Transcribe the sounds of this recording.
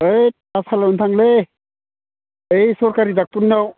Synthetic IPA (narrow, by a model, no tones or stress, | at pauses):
ej | asʰalawnt̪ʰaŋle | ejsɔɾkaɾidak̚tunːaw